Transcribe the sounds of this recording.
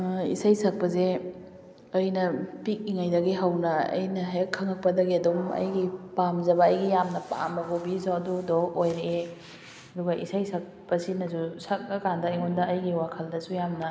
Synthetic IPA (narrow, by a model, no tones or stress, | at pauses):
ḭsajsɐk̚pɐze | ɐjnɐpik̚iŋajdɐɡiɦɐwnɐɐ̰jnɐɦakʰːɐŋɐk̚pɐdɐɡiɐdumɐ̰jɡipamzɐbɐːjɡijamnɐpa̰mɐɡobizoɐdudoojɾee | ɐduɡɐʔḭsajsʰɐk̚pɐsinɐsusɐk̚ːɐkandɐiŋundɐːjɡiwakʰɐldɐsujamnɐ